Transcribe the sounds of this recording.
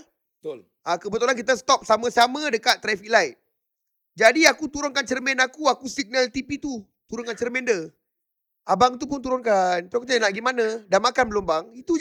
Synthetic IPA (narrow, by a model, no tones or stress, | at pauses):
bət̪l | akəbət̪ulank̬it̪ast̪ɔp̚samãsamãdəkat̪̚ːɾafilajt̪̚ | d͡ʒadiakut̪uɾʊnkant͡ʃərmɛnakuakusiɡ̚nalt̪ipit̪u | t̪uɾʊnkant͡ʃərmɛ̃ndə | abaŋit̪up̬ʊnt̪uɾʊnkant̪uakutanaʔɡimanãdanmakanbəlʊmbaŋit̪u